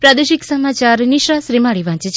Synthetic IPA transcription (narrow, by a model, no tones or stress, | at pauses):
pɾad̪eʃiksəmat͡ʃaɾniʃɾasɾimaɭiʋãt͡ʃet͡ʃʰ